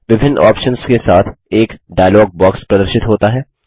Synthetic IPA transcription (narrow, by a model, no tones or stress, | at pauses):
ʋɪbʱɪnːɔ̰ːpʃənskesaːt̪ʰeːkɖaːjlɔːɡ̚bɔːkspɾɐd̪əɾʃɪt̪ɦoːt̪aɦɛː